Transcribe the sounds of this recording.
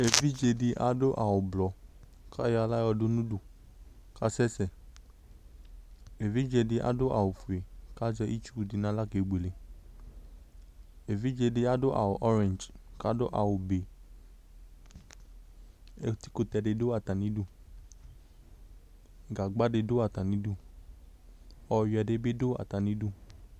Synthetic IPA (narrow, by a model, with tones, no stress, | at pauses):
e˨vi˦d͡ʒe˧di˧ʔa̰˦do˦ʔa˨wo˨blɔ˨˦ | kʰa˦jla˦jɔ˧do˦nũ˦du˨ | ka˦sɛ˦sɛ˨ | e˨vi˦d͡ʒe˧di˧ʔa̰˦do˦ʔa̰˨wo˨fu˨e˨ka˦d͡ʒɛ˧ʔi˦t͡ʃu˦u˨di˧nã˧la˦ke˨ɡ͡be˨le˨ | e˨vi˦d͡ʒe˧de˧a˦do˦ʔa̰˨wo˨ʔɔ˦ɾɛ̃˨nd͡ʒka˦do˦ʔa˨wu˨be˨ | ɛ˧ti̥˦ko˧tɛ˧de˧do˦a˨ta˨nĩ˨˦du˦˨ | ɡa˨ɡ͡ba˦de˧do˦a˨ta˨nĩ˨˦du˦˨ | ɔ˧jɛ˧de˧˦be˦do˦a̰˨ta˨nĩ˦du˦˨